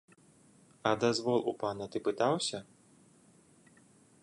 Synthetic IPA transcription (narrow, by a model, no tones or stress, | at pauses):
ɐd̪azvɔlˠṵpanɐt̪ɨpɨt̪awsʲɐ